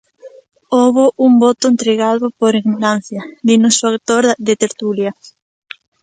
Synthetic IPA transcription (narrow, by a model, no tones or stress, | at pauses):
oβoʔumbot̪ʊent̪ɾeɣ̞aðʊpoɾiɣnoɾan̟θjad̪inosakt̪oɾðet̪eɾt̪ulja